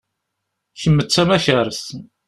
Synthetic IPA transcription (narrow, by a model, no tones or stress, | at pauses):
çəmːət͡sːæmæçæɾəs